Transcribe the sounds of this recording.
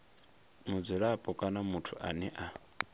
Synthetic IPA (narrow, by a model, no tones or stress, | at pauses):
mud͡zɛɺapʼɔkʼanamutʰuʔa̰nɛʔa